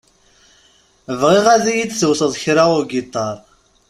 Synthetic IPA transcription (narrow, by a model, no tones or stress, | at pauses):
əvʁiʁæðijit͡sːsəwsəðˤçɾaʊɾɡit̪ˤːɑɾˤ